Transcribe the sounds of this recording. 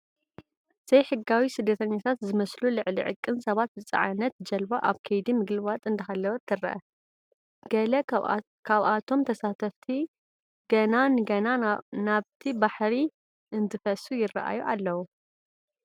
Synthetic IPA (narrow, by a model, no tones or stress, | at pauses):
z̥ɐjħɨɡawisɨd̪ːɐt̪ʰɐɲːat̪ʰat̪zɨmɐslulɨʕlḭʕɨ̰kʼːɨnsɐβat̪̚bɨt͡sʼɐ̰ʕanɐt̪d͡ʒɐlbaʔa̰βkʰɐjd̪imɨɡlɨβat̪ʼɨnd̪ɐxalːɐwɐt̪ʰːɨɾːɐ̰ʔɐ̰ | ɡ̥ɐlɐ | kʰaβʔat̪ʰo̞mt̪ʰɐsat̪ʰɐft̪ʰi | ɡ̥ɐnanɨɡɐnanaβt̪ʰibaħɾi | ʔɨnt̪ʰɨfɐsujɪrːɐ̰ʔa̰juʔalːɐwu